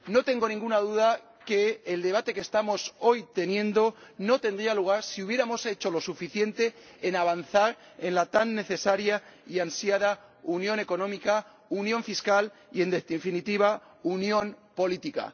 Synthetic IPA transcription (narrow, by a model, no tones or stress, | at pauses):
no̞t̪e̞ŋɡo̞nĩŋɡunaðuða | ke̞ːld̪e̞β̞at̪e̞kest̪amo̞so̞jt̪e̞njẽ̞nd̪o̞no̞t̪e̞nd̪ɾialuɣ̞aɾsiuβ̞je̞ɾamo̞se̞t͡ʃo̞lo̞sufiθje̞nt̪e̞ːnaβ̞anθaɾ | e̞nlat̪anːe̞θe̞saɾjaiansjaðaunjõ̞ne̞ko̞nõmika | unjõ̞ɱfiskal | ie̞nd̪efinit̪iβ̞a | unjõ̞npo̞lit̪ika̰